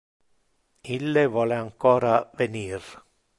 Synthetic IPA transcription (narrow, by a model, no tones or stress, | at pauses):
ilːevɔːleaŋkɔːɾaveniːɾ